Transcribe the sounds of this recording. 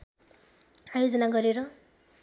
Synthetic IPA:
ajod͡zʌnaɡʌɾeɾʌ

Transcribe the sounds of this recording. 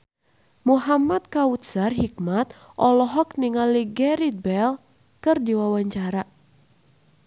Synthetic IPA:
muɦamat̪̚kaut̪sarɦik̚mat̪ | ʔɔlɔɦɔkniŋaliɡɛɾit̪̚bɛl | kɨrdiwawaɲt͡ʃaɾa

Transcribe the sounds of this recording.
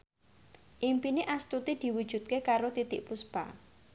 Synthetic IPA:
ʔimpineʔast̪ut̪id̪̥i̤wud̥ʒ̥ṳt̪̚kekaɾot̪it̪ɪʔpuspa̰

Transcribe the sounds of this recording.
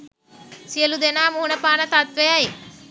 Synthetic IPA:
sijəlud̪enaːmuɦunəpaːnɐt̪at̪ʋejae

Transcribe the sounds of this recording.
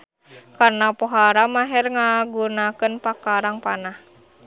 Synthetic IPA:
karnapɔɦaɾamaɦɛrŋaɡunakɨnpakaɾaŋpanah

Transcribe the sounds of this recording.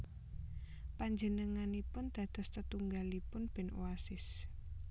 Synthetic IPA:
paɲd͡ʒənəŋanipʊnd̪̥a̤d̪̥ɔ̤st̪ət̪uŋɡalipʊnb̥ɛ̤noasɪs

